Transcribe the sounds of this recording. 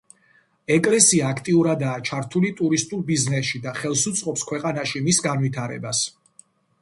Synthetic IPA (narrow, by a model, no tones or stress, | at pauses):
ɛkʼlɛsiaːkʰt̪ʼiuɾad̪aːt͡ʃʰaɾt̪ʰulit̪ʼuɾist̪ʼuɾbiznɛsʃid̪aχɛlˠsut̪sʼqʼɔpskʰwɛqʼanaʃimisɡanwit̪ʰaɾɛ̰bas